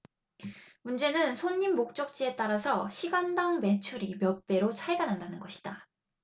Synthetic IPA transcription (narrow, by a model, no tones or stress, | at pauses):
mund͡ʑe̞nɯnsʰoɲːimːok̚t͡ɕ͈ʌk̚t͡ɕ͈ie̞t͈aɾasʰʌɕʰiɡandaŋme̞t͡ɕʰuɾimjʌp͈e̞ɾot͡ɕʰaɭɡanɦandanɯnɡʌɕʰi̥d̥a